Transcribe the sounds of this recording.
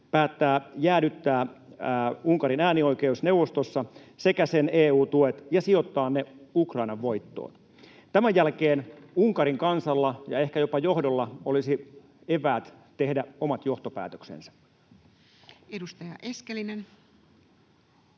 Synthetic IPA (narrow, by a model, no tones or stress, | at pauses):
pæːt̪ːæːjæːnyt̪ːæː | uŋkɑɾinæːnio̞ikeusne̞wʋost̪osːɑsekæseneːuːt̪uet̪jɑsio̞t̪ːɑːnneukrɑinɑʋʋoit̪ːo̰ːt̪ | t̪æmæjjælkeːnuŋkɑɾiŋkɑnsɑlːɑjɑ̰e̞hkæjo̞pɑjohdolːɑolisi | epæːt̪t̪e̞hdæomɑt̪jo̞ht̪opæ̰ːt̪øksḛnsæ̥ | edust̪ɑjɑʔeskelinen